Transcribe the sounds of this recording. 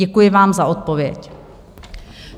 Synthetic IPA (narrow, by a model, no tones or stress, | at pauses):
ɛkujɪvaːmzaʔo̞t̪̚povjɛc